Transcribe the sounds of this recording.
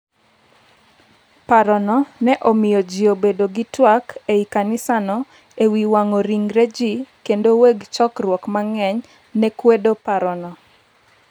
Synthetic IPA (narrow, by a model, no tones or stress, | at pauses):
paɾɔnɔnɛʔomɪjɔd͡ʒɪobedoɡitwakeikanɪsanɔ | ewiwaŋoɾiŋɾed͡ʒikendoweɡt͡ʃɔkrwɔkmaŋɛɲ | nɛkwedopaɾɔnɔ